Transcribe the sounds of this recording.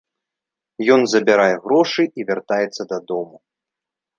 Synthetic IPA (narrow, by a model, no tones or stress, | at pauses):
jɔnzɐbʲaɾajɛɣɾɔʂɨʔivʲart̪ajɛt̪sːɐd̪ɐd̪ɔmu